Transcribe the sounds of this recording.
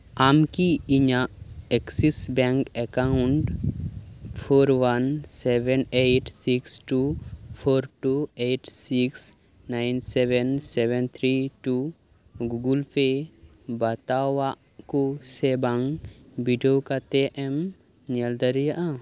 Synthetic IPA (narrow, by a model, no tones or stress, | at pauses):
amkiiɲaʔɛksisbɛ̃ŋkɛkaʊɳʈ | pʰoɾwansɛbɛneʈsiksʈupʰoɾʈueʈsiks | najnsɛbɛnsɛbɛnt̪ʰɾiʈu | ɡuɡulpʰebɐt̪awaʔ | kosebaŋbiɖiokat̪eʔɛm | niəld̪əɾijaʔa